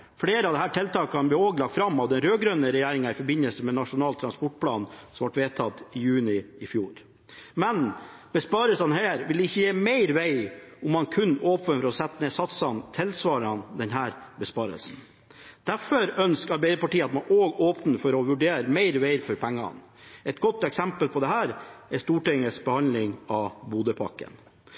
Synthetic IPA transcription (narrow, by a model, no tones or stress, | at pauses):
fɽeːɾəɑʋd̪ɛɦæːʈʰɛlt̪ʰɑːkəkʰɑnbliːoːɡlɑk̚t̪fɾɑmːɑʋd̪ɛnɾøːɡɾœnəɾɛjæːɾɪŋɑɪfɔɾbɪnəlsəmɛnɑʂʊnɑːlt̪ʰɾɑnspɔʈ̚pʰlɑ̰ːnsɔmʋɑʈʋeːt̪ʰɑt̪ɪjʉːnɪɪfjuːɾ | mɛnb̥əspɑːɾəsɑnɦɛɾʋɪlɛɪçːəjeːmæɪɾʋæɪʊmːɑnkʰʉnːoːpənfɔɾɔsɛt̪ːəneːsɑt̪sɑnt̪ʰɪlsʋɑːɾɑnd̪ɛnɦæːɾbəspɑːɾə̰lsn̩ | d̪̥æfɔɾœnskɑɾbæɪɾəpɑʈiːəɑt̪mɑnoːɡoːpnəfɔɾɔʋʉɖeːɾmæɪɾʋæɪɾfɔɾpʰɛŋːɑ̰n | ɛt̪ɡɔt̪ːɛksɛmpəlpʰɔd̪ɛɦæːɾɛst̪uːʈɪŋəsbəhɑnd̪lɪŋɑʋbuːd̪əpʰɑ̰kːə̰n